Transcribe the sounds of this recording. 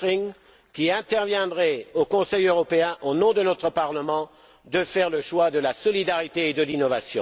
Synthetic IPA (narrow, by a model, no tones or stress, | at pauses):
ʁiŋ | kʲiɛ̃t̪ɛʁvjɛ̃d̪ʁɛokɔ̃sɛjøʁɔpeɛ̃ʔonɔ̃d̪ənɔt̪χəpaʁləmɑ̃ | d̪əfɛʁləʃwad̪əlasɔlid̪aʁit̪eːd̪əlinɔvasjɔ̰̃